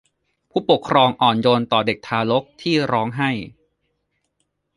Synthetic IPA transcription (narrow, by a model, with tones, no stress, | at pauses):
pʰuː˥˩po˨˩kʰɾɔː˧ŋʔɔː˨˩njoː˧nt̪ɔː˨˩de˨˩k̚t̪ʰaː˧lo˦˥k̚t̪ʰiː˥˩ɾɔː˦˥ŋɦa˥˩j